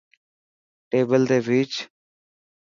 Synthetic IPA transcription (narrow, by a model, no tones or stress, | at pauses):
ʈeːbəlt̪eːʋiːt͡ʃ